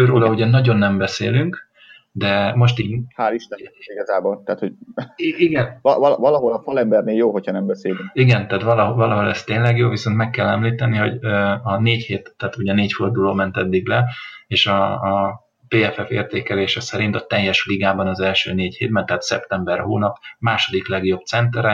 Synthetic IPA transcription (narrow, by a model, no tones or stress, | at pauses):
øɾoːlɒuɟɛnːɒɟo̞nːɛmbɛseːlyŋk | d̪ɛmo̞ʃt̪iːhaːliʃt̪ɛiɡɒzaːbolt̪aːt̪ho | iɡɛnvɒvɒvɒlɒɦolɒfɒlɛmbɛrneːljoːɦocʰhɒnɛmbɛseːlyŋkiɡɛnt̪aːt̪ʋɒlɒɦovɒlɒɦo̞lɛst̪eːnlɛɡjoːviso̞nt̪mɛkːɛlːɛmliːt̪ɛniɦo̞ɟøɒneːcheːt̪ːɛːt̪uɟɒneːcfo̞rd̪uloːmɛnt̪ɛd̪ːiɡ̚lɛeːʃɒ | t̪eːɛfɛfeːrt̪eːkɛleːʃɛsɛɾint̪ɒt̪ɛjɛʃfliɡaːbɒnɒzɛlʃø̰ːneːcheːd̪bɛnt̪ɛɦaːt̪sɛ̰pt̪ɛmbɛrhoːnɒpmaːʃo̞d̪iklɛɡjo̞b̚t̪sɛnt̪ɛɾɛ